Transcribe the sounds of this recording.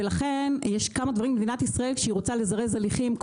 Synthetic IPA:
elaχe̞njeʃkamad̪vaʁimmed̪inat̪isʁae̞lkʃeiʁot͡sale̞zaʁezaliχimk

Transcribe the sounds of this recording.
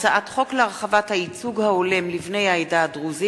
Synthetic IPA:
t͡saʔatχo̞kleʁaχavathait͡suɡhaole̞mlivne̞jajdadʁuzi

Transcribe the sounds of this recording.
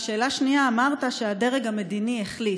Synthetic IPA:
ʃe̞ːlaʃniaːmaʁt̪aʃead̪e̞ʁeɡame̞d̪inieχli

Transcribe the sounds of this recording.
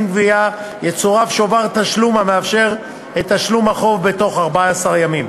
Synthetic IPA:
nɡvia | jet͡soʁafʃovaʁt̪aʃlumhameafʃe̞ʁ | et̪haʃlumhaχo̞vbe̞to̞χaʁbaaasaʁjamim

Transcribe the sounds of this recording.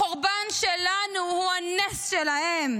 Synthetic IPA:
oʁbanʃelanuhuhanesʃelahem

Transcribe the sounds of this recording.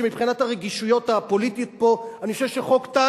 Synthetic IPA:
emipχinathaʁeɡiʃujo̞thapo̞lit̪ijot̪̚po̞anixoʃevʃeχo̞kt̪a

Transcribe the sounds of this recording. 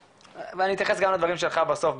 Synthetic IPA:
veanit̪jaχesɡamlad̪vaʁimʃ̬elχabasofb

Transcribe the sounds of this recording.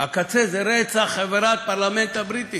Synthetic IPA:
akat͡sezɛɾet͡saχaveɾat̪̚paɾlament̪abɾit̪i

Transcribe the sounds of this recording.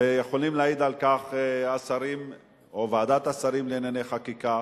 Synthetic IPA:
jeχolimlaaid̪alkaχeasaɾim | ovaːd̪at̪asaɾimleneneχakika

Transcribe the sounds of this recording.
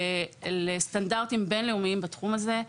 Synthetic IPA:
lestandaʁtimbenleumiimbatχumaze̞

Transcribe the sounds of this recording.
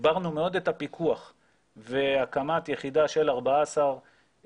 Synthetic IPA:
baʁnumeo̞d̪et̪apikʰuaχ | veakamat̪jeχid̪aʃe̞laʁbaasaʁ

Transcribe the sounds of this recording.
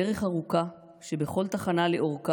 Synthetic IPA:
eʁeχaʁuka | ʃe̞beχo̞lt̪aχanaleʔo̞ʁka

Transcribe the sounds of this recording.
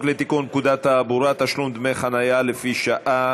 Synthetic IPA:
klet̪ikunkud̪at̪aːbuɾat̪aʃlumd̪mejχanajalefiʃaʔa

